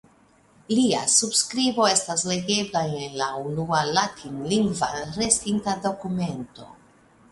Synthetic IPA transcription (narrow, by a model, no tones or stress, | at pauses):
liasubskɾibo̞e̞stasle̞ɡe̞blaenlaunualatʰinliŋɡvaɾe̞stintado̞kume̞nto̞̰